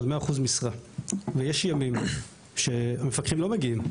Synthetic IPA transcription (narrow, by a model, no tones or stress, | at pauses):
dmeaːχuzmisʁavejeʃjamim | ʃe̞amefakʁimlo̞meɡiim